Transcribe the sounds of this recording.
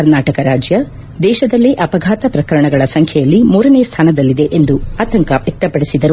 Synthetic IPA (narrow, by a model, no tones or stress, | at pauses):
ɐɾnaːʈɐkɐɾaːd͡ʒjɐ | d̪ɛːʃɐd̪ɐlːiʔɐpɐɡʱaːt̪ɐpɾɐkɐɾɐɳɐɡɐɭɐsɐŋkʰjɛjɐlːimuːɾɐneːst̪ʰaːnɐd̪ɐlːid̪e̞ʔend̪uaːt̪ɐŋkɐʋekt̪ːɐpɐɽisid̪ɐɾu